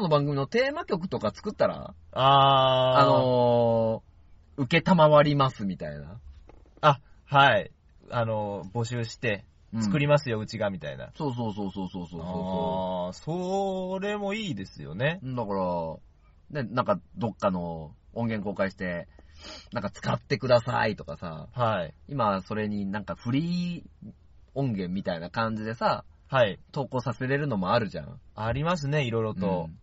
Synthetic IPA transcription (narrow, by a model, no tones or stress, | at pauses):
ono̞bãŋɡɯ̟mʲinot̪e̞ːmakʲo̞k̬ɯ̟̥t̪o̞kat͡sɨ̥kɯ̟t̪ːaɾa̰aː | no̞ | ɯ̟ke̞t̪amaβaɾʲimasɨmʲit̪a̰ḭna̰ | a | hai | ano̞bo̞ɕɨːɕi̥t̪e̞ | ɯt͡sɨ̥̃kɯ̟ɾʲimasɨjo̞ɯ̟t͡ɕiɡamʲit̪a̰ḭna̰soːs̬o̞ːs̬oːso̞ːso̞ːsoːsoːssoɾe̞mo̞iːd̪e̞sɨjo̞̰nẽ̞d̪akɑɾa | ne̞nãŋkad̪o̞kːano̞ | õ̞ŋɡẽ̞ŋko̞ːkaiɕi̥t̪e̞ | nãŋkat͡sɨ̥kat̪ːe̞kɯ̟d̪asa̰it̪o̞kasa̰haiimaso̞ɾe̞ɲ̟inãŋkaɸɯ̟ɾʲiː | õ̞ŋɡẽ̞mːʲit̪ainakãɲ̟d͡ʑid̪e̞sa | hait̪o̞ːkoːsase̞ɾe̞ɾɯ̟no̞mo̞aɾɯ̟ʑã̰aɾʲimas̬ɨne̞iɾo̞jɾo̞t̪o̞